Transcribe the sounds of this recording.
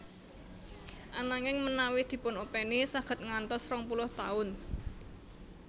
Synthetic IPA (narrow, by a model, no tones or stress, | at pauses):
ʔanaŋɪŋmənawɪhd̪̥i̤pʊnopɛnisaɡ̥ə̤t̪̚ŋant̪ɔsrɔŋpulʊht̪aʊn